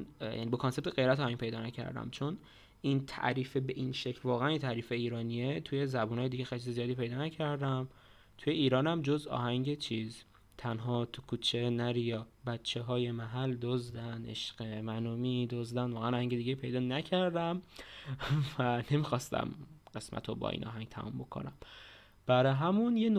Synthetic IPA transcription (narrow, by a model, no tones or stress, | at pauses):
jʔæ̰nibekʰonse̞bt̪eɣejɾæt̪ɒːhæŋɡ̥̚ʲpʰe̞jd̪ɒːnæcʰæ̰ɾd̪æ̰mt͡ʃʰo̞n | ʔint̪ʰæ̰ʔɾiːfebeʔinʃecʰlvɒːɣeænint̪ʰæɾiːfeiːɾɒːnie̞t̪ʰuje̞zæbuːnɒːjed̪iːɟexelit͡ʃʰizezijɒːd̪iːpʰe̞jd̪ɒːnæcʰæɾd̪æm | t̪ʰujeiːɾɒːnæmd͡ʒo̞zɒ̰ːɦæŋɟet͡ʃʰiːz | t̪ʰænɦɒːt̪ʰukʰuːt͡ʃʰe̞næɾijɒbætt͡ʃʰːeɦɒːje̞mæɦæld̪ozd̪ænḛʃɢemænuːmid̪ozd̪ænd̪vɒːɣæænɒːhæŋɟe̞d̪iːɟeipʰe̞jd̪ɒːnæcʰæɾd̪æm | væne̞mixɒːst̪æ̰mɢ̥e̞smæ̰t̪ʰobɒ̰ʔḭːnʔɒ̰ːɦæŋɡt̪ʰæ̰mṵmbo̞kʰo̰næm | b̥æɾɒɦæmunjen